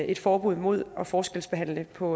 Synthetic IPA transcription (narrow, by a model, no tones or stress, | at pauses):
e̝d̥fɒːb̥uð̰ˠmo̝ð̞̰ˠɒ̽fɒːsɡ̥el̰sb̥e̝ɦæn̰ləpʰɒ̽